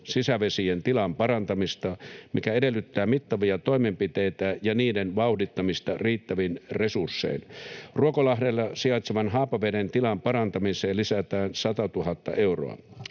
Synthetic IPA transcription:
sisæʋesient̪ilɑmpɑrɑnt̪ɑmist̪ɑmikæedelːyt̪ːæːmit̪ːɑʋiɑt̪oimempit̪eit̪æjɑniːdenʋɑuhdit̪ːɑmist̪ɑriːt̪ːæʋinresursːḛinruokolɑhdelːɑsiɑit̪seʋɑnɦɑːpɑʋedent̪ilɑmpɑrɑnt̪ɑmiseːllisæt̪æːnsɑt̪ɑt̪uhɑt̪ːɑ̰ʔeuro̰ɑ̰

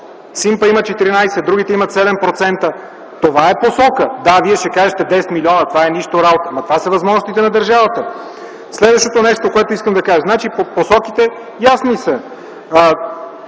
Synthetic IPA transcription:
simpəimət̪̚t͡ʃɛt̪iɾinajsɛd̪ɾuɡ̟it̪ɛimɐt̪sɛd̪ɛmpɾot̪sɛnt̪ə | t̪ovaɛposɔkəd̪aviɛʃɛkaʒət̪ɛd̪ɛsɛt̪milʲiɔnət̪ovaɛniʃt̪oɾabot̪əmɐt̪ovasəvɐzmɔʒnost̪it̪ɛnɐd̪əɾʒavət̪ə | slɛd̪vəʃt̪ot̪onɛʃt̪okoɛt̪oiskəmd̪ɐkaʒəznat͡ʃipoposɔkit̪ɛ | jasnisə

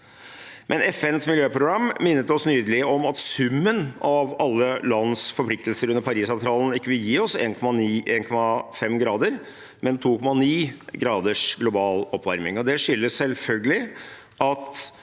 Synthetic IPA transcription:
mʔɛnʔɛfɛnsmɪljøːpʰɾʊɡɾɑmːɪnːət̪ɔsnyːd̪əlɪəɔmɑt̪sʉmːənɑʋɑlːəlɑnːsfɔɾpʰlɪk̚t̪lsəɾʉnːəɾpɑɾiːsɑʋt̪ʰɾɑːlən̩ɪkːəʋɪljiːɔseːnkʰɔmɑniːʔeːnkʰɔmːɑfɛmɡɾɑːd̪əɾ | mɛnt̪ʰuːkʰɔmːɑniːɡɾɑːd̪əʂɡlʊbɑːlɔpːʋæɾmɪŋɔd̪ɛʂʏlːəssɛlfœlɡəlɪ | ʔɑt̪

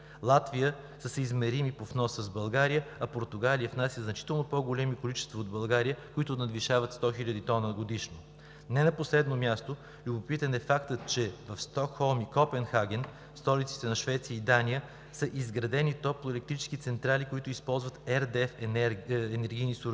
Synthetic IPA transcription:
lˠat̪vijə | səsɛizmɛɾimipofnɔsəzbɐlˠɡaɾijəɐpoɾt̪ʊɡalijəfnasjəznɐt͡ʃi̥t̪ɛlˠnopɔɡolɛmikolit͡ʃɛ̥st̪vɐod̪̚bɐlˠɡaɾijəkoit̪ʊnɐd̪viʃavət̪st̪ɔxiʎʲəd̪it̪ɔnəɡod̪iʃno | nɛnɐposlɛd̪nomʲjast̪o | lʲʊbopit̪ənɛfakt̪ət̪t͡ʃɛvɐfst̪ɔkxɔlˠmikɔpɛnxaɡ̟ʲɛn | st̪ɔlit̪si̥t̪ɛnɐʃvɛt̪sijəid̪anijə | səʔizɡɾɐd̪ɛnit̪ɔplˠʊɛlɛk̚t̪ɾit͡ʃɛ̥skit̪sɛnt̪ɾalikoit̪ʊispɔlˠzvət̪ɛɾd̪ɛf | ɛnɛɾɡʲijnisuɾ

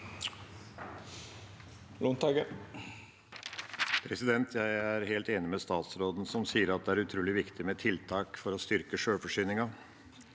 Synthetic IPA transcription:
lʊnt̪ɑɡə | pʰɾɛsɪd̪ɛnt̪ʰjæɪæɾheːlt̪eːnɪmest̪ɑːt̪sɾoːd̪n̩sɔmsiːəɾɑt̪̚d̪ɛæɾʉt̪ʰɾuːlɪʋɪkt̪ɪmet̪ʰɪlt̪ʰɑːkfɔɾɔst̪ʏɾkəʂøːfɔʂyːnɪŋɑ

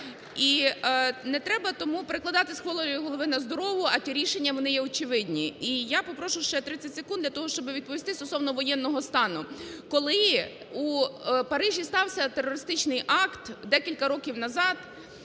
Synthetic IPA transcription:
i | nɛt̪ɾɛbɐt̪ɔmupeɾeklˠɐd̪ɑt̪ɪsxʋɔlˠɔɾʲijʊɦɔlˠɔʋɪnɐzd̪ɔɾɔʋʊɐt̪ʲiɾʲiʃenʲːɐʋɔnɪjɛɔt͡ʃɪʋɪdʲnʲiijapɔpɾɔʃʊwʃt͡ʃɛt̪ɾɪt͡sʲːɐtʲsekund̪lʲɐt̪ɔɦɔʃt͡ʃɔbɪʋʲid̪̚pɔʋʲist̪ɪst̪ɔsɔwnɔʋɔjɛnːɔɦɔst̪ɑnʊkɔlˠɪ | upɐɾɪʒʲist̪ɑwsʲɐt̪erɔɾɪst̪ɪt͡ʃnɪjʔɑkt̪d̪ɛkʲilʲkɐɾɔkʲiwnɐzɑd̪

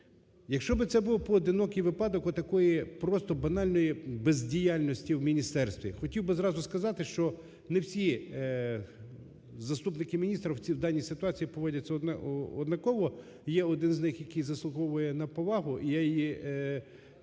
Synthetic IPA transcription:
jɐkʃt͡ʃɔbɪt̪sɛbʊlˠɔpɔːd̪ɪnɔkɪjʋɪpɑd̪ɔkɔt̪ɐkɔjipɾɔst̪ɔbɐnɑlʲnɔjibezʲdʲijɑlʲnɔsʲtʲiwmʲinʲist̪ɛrst̪ʋʲḭxɔtʲiwbɪzɾɑzʊskɐzɑt̪ɪʃt͡ʃɔ | newsʲi | zɐst̪upnɪkɪmʲinʲist̪ɾɐwt͡sʲiwd̪ɑnʲːisɪt̪ʊɑt͡sʲijipɔʋɔdʲɐt͡sʲːɐɔd̪nɐkɔʋɔ | jɛɔd̪ɪnznɪxjɐkɪjzɐslˠʊɦɔwʊjɛnɐpɔʋɑɦʊʔijajji

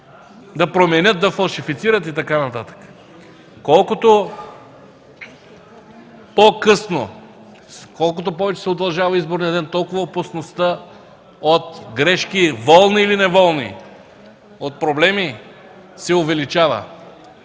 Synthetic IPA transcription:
d̪ɐpɾomɛnʲɤt̪̚d̪ɐfɐlˠʃifit̪siɾət̪̬it̪ɐkanɐt̪at̪ə̥kə̥ | kɔlˠkot̪o | pokɤsno̰ | kɔlˠkot̪̬opɔvɛt͡ʃɛ̥sɛod̪ɐlˠʒavɐizboɾniəɐd̪ɛnt̪ɔlˠkʊvəopɐsnost̪ə | ot̪ɡɾɛʃkivɔlˠniːlinɛvɔlˠnḭ | ot̪̚pɾoblɛmi | sɛovɛlit͡ʃavə̰

